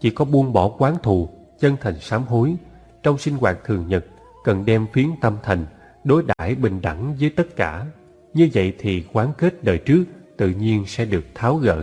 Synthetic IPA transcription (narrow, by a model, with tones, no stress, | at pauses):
t͡ɕḭ˧˩˦kɔ˨˦ɓu˧˩ənɓɔ˧˩kwaː˨˦nt̪ʰu˧˨˩ | t͡ɕə˧nt̪ʰa˨˩jŋ̟saː˨˦mɦo˨˦j | t͡ɕɔ˧wŋ͡msï˧ŋ̟ɣwaː˨˩t̚t̪ʰɨ˨˩əŋɲə˨˩t̚ | kə˨˩nɗɛ˧mfi˨˦ənt̪ə˧mt̪ʰa˨˩jŋ̟ | ɗo˨˦jɗa̰ː˧˩jɓï˨˩ŋ̟ɗa̰˧˩ŋzəː˨˦jt̪ə˦˥t̚kaː˧˩ | ɲɨ˧və̰˧˨jt̪ʰi˨˩kwaː˨˦nke˦˥t̚ɗəː˨˩jt͡ɕɨ˦˥ək̚t̪ɨ̰˧˨ɲi˧ənsɛ̰˧˥ɗɨ˨˩ək̚t̪ʰaː˨˦wɣə̰ː˧˨